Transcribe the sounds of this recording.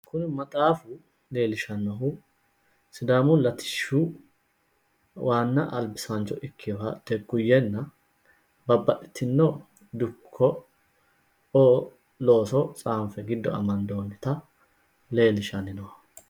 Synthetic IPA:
kʊnɪmɐt̪ʼaːfʊ | le̞ːlɪʃɐnːɔɦʊ | sɪd̪aːmʊlɐt̪ɪ̥ʃːu | wʔaːnːɐʔɐlbɪsant͡ʃːɔʔɪkʰːɪɔhɐ̰d̪̥ɛɡʊjːɛnːɐ | bɐbːɐʔɪ̥t̪ʰːɪnːɔ | d̪ʊkʰːɔ | oː | lo̞ːsɔt͡sʼaːmfɛɡɪd̪ːɔ̰ɐ̰mɐnd̪o̞ːnːɪt̪ɐ | le̞ːlɪʃɐnɪnɔhɐ

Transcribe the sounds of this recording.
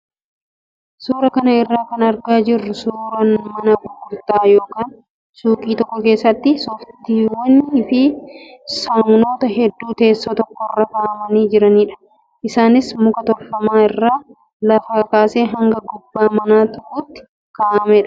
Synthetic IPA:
suːɾɐkɐnɐɪrːaːkɐnɐɾɡaːd͡ʒɪrːʊsuːɾɐnmɐnɐɡʊɡʊɾt̪aːjo̞ːkaːn | suːkʼiːt̪ɔkːɔke̞ːsːɐt̪ːɪsɔft̪iːwɐnːɪɪfɪ | sɐŋɡno̞ːt̪ɐɦɛd̪ːuːt̪e̞ːsːoːt̪ɔkːɔɪrːɐkaːʔɐmɐniːd͡ʒɪɾɐniːᶑɐ̥ | ʔɪsaːnɪsmʊkɐt̪ɔɾfɐmaːɪrːaː | lɐfɐkɐkaːseːɦɐŋɡɐɡʊbːaːmɐnaːt̪ʊkʊt̪ːɪ̥ | kaːʔɐmɛᶑɐ̥

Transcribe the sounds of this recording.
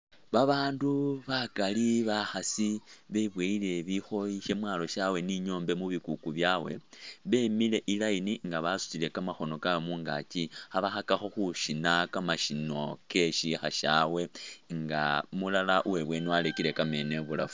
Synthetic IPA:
βaβaːnduβakaliβaxasiβeβweile̞βixo̞jiʃe̞mwaːlo̞ʃawe̞niɲo̞ːmbe̞muβikukuβjawe̞̰βe̞mile̞ʔilainiŋɡaβasu̥t͡sile̞kamaxo̞no̞kawemuːŋɡa̰cihaβaxakaxo̞xuʃinakamaʃino̞ke̞ʃixaʃa̰we̞ŋɡa̰mulalaʔuwe̞βwe̞niwalekile̞kame̞ne̞βula̰fu̥

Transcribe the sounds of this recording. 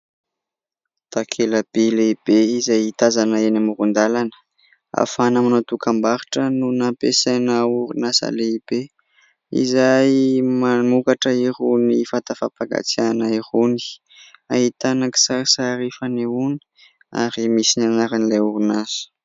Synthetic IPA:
t̪akʰeləb̥eleib̥eizajit̪azanəenamuɾund̪alanə̥ | a̰fanamnat̪ukambaɾiʈ͡ʂənunapesanauɾunasa̰leib̥e | ḭzajmanukaʈ͡ʂəiɾunifant̪afapaɡa̰t͡sianaiɾuni̥ | aɦit̪anaki̥saisaɾifaniuni̥ | a̰ɾimisinanaɾanilajuɾunasə̥

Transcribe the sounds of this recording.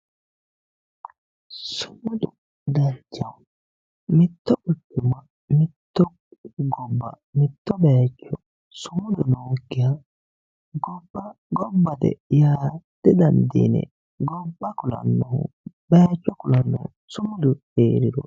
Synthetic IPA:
sʊ̥mʊd̪ʊ | d̪ɐɾd͡ʒɐ | mɪt̪ːɔʔʊtːʊmɐ | mɪt̪ːɔ | ɡɔbːɐ̰ | mɪt̪ːɔbeːt͡ʃːɔ | sʊmʊd̪ʊnoːɡɪja | ɡɔbːɐ | ɡɔbːɐt̪ɛ̰jaːd̪̥ɛd̪ɐnd̪ḭːnɛ̰ | ɡɔbːɐkʊlɐ̰nːɔhʊ̰ | beːt͡ʃːɔkʊlɐnːɔhʊ | sʊmʊd̪ʊ | eːɾɪd̪ɔ̰

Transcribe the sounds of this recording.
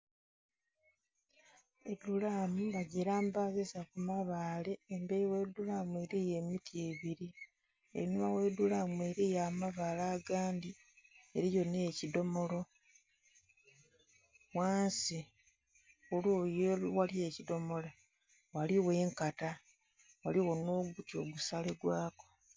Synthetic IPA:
edulamuβaɟeɾaːmbazesakumaβaːle̞ːmbejiwe̞dulamweɾijeːmitieːβiɾi | ḛɾinumawe̞ːdulamueːɾiːjaːmaβaːlaːɡaːndi | eɾijo̞neːcido̞mo̞lo̞ | waːnsi | olojowalie̞cido̞mo̞la | waliwe̞ːŋkata | waliwo̞no̞ːɡutio̰ɡusaleɡwaːko

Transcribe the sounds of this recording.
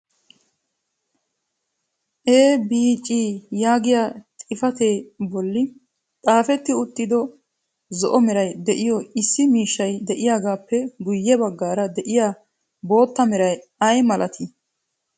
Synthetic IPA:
ʔeːbiːt͡ʃʼːiːjaːɡɪjaːt̪ʼɪfɐt̪e̞ːbɔlːɪ | t̪ʼaːfɛt̪ːɪʊt̪ːɪd̪ɔ | zɔʔɔmɛɾɐjd̪ɛʔɪjɔɪsːɪmiːʃːɐjd̪ɛʔɪjaːɡaːpːɛɡʊjːɛbɐɡːaːɾɐd̪ɛʔɪjaː | bo̞ːt̪ːɐmɛɾɐjɐjmɐlʔɐt̪ʰɪ

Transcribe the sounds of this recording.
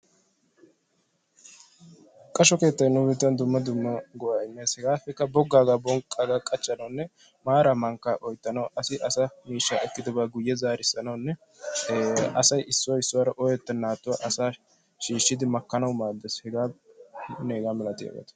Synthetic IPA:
kʼɐʃɔke̞ːt̪ːɐjnːʊbɪt̪ːɐnd̪ʊmːɐd̪ʊmːɐɡɔwaːɪmːe̞ːshɛɡaːfɛkːɐbɔɡːaːɡaːbɔŋkʼːaːɡaːkʼɐt͡ʃːɐnɐwnːɛ | maːɾɐmɐŋkːaʔɔjt̪ːɐnɐwʔɐsɪʔɐsɐmiːʃːaːɛkːɪd̪ɔbaːɡʊjːɛzaːɾɪsːɐnɐwnːɛ | ɐsɐjɪsːʊwɐɪsːʊwaɾɐʔɔjɛt̪ːɐnːaːt̪ːʊwaʔɐsaː | ʃiːʃːɪd̪ɪmɐkːɐnɐwmaːd̪ːɛshɛɡaː | neːɡaːmɛlɐt̪ːɪja̰ːɡḛːt̪ɐ̥

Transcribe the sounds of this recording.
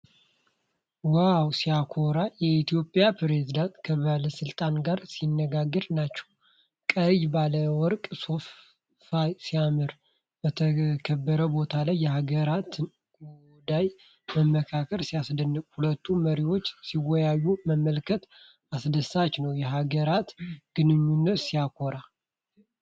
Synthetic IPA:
wawsiakʰoɾajɛit̪ʰijo̞pʼjapɾezid̪ant̪kʰəβaləsɨlt̪ʼanɡaɾsinːəɡaɡːɨɾnat͡ʃːɛ̥w | kʼəjbaləwɔɾkʼso̞f | fajsijamɨɾ | bət̪ʰəkʰəbːəɾəbo̞t̪ʰalajːɛhaɡəɾat̪ | ɡu | d̪aj | məmːəkʰakʰəɾsijasd̪ənːɨkʼhulət̪ʰːuməɾiwo̞t͡ʃːsiwɔjajːuməmːəlkʰət̪ | asd̪əsat͡ʃnəwjɛɦaɡəɾat̪ɡ̥ɨnɨɲːunːət̪sijakʰoɾa

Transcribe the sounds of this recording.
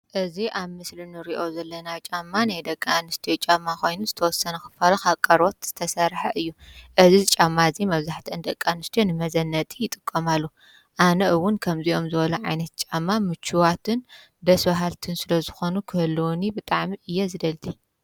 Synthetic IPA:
ʔɨziʔaβmɨslinɨɾiʔo̞zɐlːɐnat͡ʃʼamːanajd̪ɐkʼːanɨst̪ʰijot͡ʃʼamːakʰo̞jnuzɨt̪ʰɐwɔsːɐnɐxɨ̥fɐlɐxaβkʼːɐɾot̪z̥ɨ̥t̪ʰɐsɐɾħɐʔɨjːuʔɨzizɨt͡ʃʼamːaɨzimɐβzaħt̪ʰiʔɨnd̪ɐkʼːanɨst̪ʰijonɨmɐzɐnːɐt̪ʼijɪt̪ʼɨkʼːɐmalːu | ʔanɐʔɨwʊnkʰɐmziʔo̞mzɨβɐlɐʕa̰jnɐt̪̚t͡ʃʼamːamɨt͡ʃʰːuwat̪ʰɨn | d̪ɐsbɐɦalt̪ʰɨnsɨlɐzɨxo̞nukʰɨhɨlːunibɨt̪ʼaʕmiʔɨjːɛzɨd̪ɐlt̪ʰi

